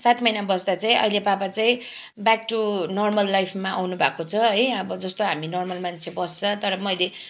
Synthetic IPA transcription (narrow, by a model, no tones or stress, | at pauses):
sat̪mʌjnabʌsd̪at͡saĩʔʌ̰ilepapat͡saĩ | bak̚ʈunʌrmʌlːajpʰmaʔa̰wnubʱakot͡sʰʌɦʌjʌbʌd͡zʌst̪oɦaminʌrmʌlmant͡sʰebʌst͡sʰʌt̪ʌɾʌmʌjle